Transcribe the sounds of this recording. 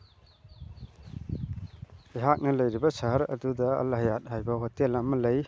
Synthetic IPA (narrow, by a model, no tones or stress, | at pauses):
iɦak̚nɐlɐjɾibɐsaɦɐɾɐ̰dudɐɐ̰lɐɦɐjat̚ɦajbɐɦotelɐmɐlɐj